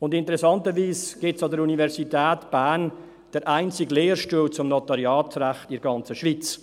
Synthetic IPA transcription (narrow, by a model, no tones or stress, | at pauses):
ʊndɪntəɾɛsɑntəviːsɡ̥ɪtsɑdəɾunivɛɾsitɛːtb̥æn | d̥əɾʔaɪnt͡sɪɡleːɾʃtuːlt͡sʊmnotɑɾjɑːtɾæχtɪɾɡɑnt͡səʃvit͡s